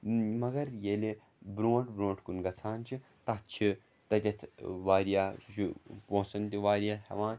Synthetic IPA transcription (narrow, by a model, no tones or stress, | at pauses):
mɐɡɐɾjeli | bɾoːʈʰbɾõːʈʰkunɡɐt͡sʰaːnt͡ʃʰi | t̪ɐt̪̚t͡ʃʰi | t̪ɐt̪ʲɐt̪ʰʋaːɾijaːsut͡ʃʰipõːsɐnt̪iʋaːɾʲjaːt̪hɐ̰ʋãːn